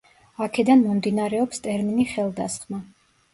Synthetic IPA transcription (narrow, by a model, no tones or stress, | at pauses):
akʰɛd̪anmɔmd̪inaɾɛɔpst̪ʼɛɾminiχɛlˠd̪a̰sχma